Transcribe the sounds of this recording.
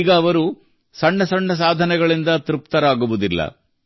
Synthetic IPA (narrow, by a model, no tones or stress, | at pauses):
ɡɐːʋɐɾu | sɐɳːɐsɐɳːɐs̬aːd̪ʱɐnɛɡɐɭind̪ɐt̪ɾup̚t̪ɐɾaːɡuʋud̪ilːɐ̰